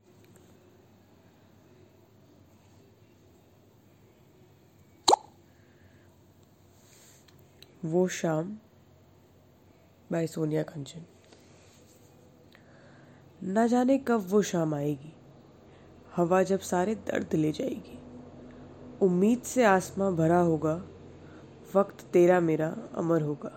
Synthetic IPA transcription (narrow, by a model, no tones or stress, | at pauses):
ʋoʃaːm | baːesoːnijakə̃nt͡ʃən | nɐd͡ʒaːnekɐbʋoʃaːmaːeːɡiː | hɐʋad͡ʒɐbsaːɾed̪ɐ̰ɾd̪ʱled͡ʒaːḛːɡeː | ʊmːiːd̪seaːsmãbʱɐɾaɦoːɡaː | ʋɐkt̪ːeːɾameːɾaɐ̰məɾɦoːɡaː